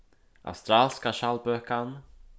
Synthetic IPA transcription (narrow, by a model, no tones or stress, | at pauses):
a̰wst̪ɾalskaʃalbœhkan